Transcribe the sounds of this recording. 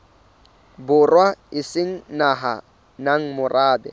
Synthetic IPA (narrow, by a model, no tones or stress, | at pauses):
bʊrwaɪsɪŋ̩naɦa̰ | naŋ̩mʊrʔaːdɛ̰